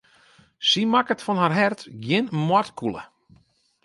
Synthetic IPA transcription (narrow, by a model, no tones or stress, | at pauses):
simakətfɔnɦarɦɛrtɡjɪnmwɔtkulˠə̰